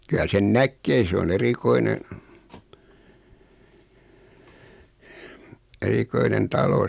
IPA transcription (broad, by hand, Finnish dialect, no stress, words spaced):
kylæ sen nækːeː se on erikoine erikoinen tɑlo